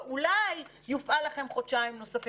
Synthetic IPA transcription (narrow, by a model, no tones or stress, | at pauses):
ulajː | ufʔalaχe̞mχodʃaimno̞safi